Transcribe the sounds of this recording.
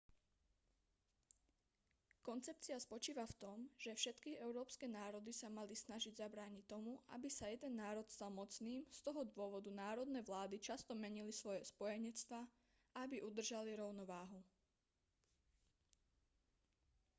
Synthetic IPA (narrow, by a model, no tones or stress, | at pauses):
kɔnt͡sɛp̚t͡siaspɔt͡ʃiːʋaft̪ɔmʒ̥ɛfʃɛt̪kiɛʊɾɔːpskɛnaːɾɔd̪isamalisnaʒiɟzabɾaːɲict̪ːɔmuʔa̰bisajɛd̪ɛnːaːɾɔt̪st̪almɔt͡sniːmst̪ɔɦɔd̪ʊɔʋɔd̪unaːɾɔd̪nɛʋlaːd̪it͡ʃast̪ɔmɛɲilisʋɔjɛspɔjɛɲɛt͡st̪ʋa | aabiʔud̪r̩ʒaliɾɔʊnɔʋaːɦu